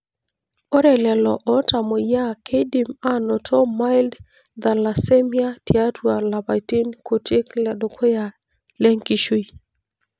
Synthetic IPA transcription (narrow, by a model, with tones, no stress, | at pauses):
o˦ɾɛ˨lɛ˨lɔ˨ʔɔ˦ta˨mɔ˨ja˦kʰe˦di˨ma˦nɔ˨tʰɔ˦ma˦ɪld | d̪a˨la˨se˦mi˦a˦ti˨a˦twa˨la˨ba˨ti˦nko˨tɪ˦klɛ˨dɔ˨kʰo˦ja˨ | le˦ŋki˦ʃu˦j